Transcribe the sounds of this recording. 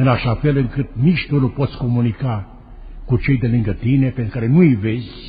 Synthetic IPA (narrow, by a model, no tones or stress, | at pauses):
ɨnaʃafe̞lɨŋkɨt̪̚niʃt̪unupo̞t̪sʲko̞munika | kut͡ʃe̞jd̪elɨŋɡət̪ine̞pent̪ɾukaɾe̞nuive̞zʲ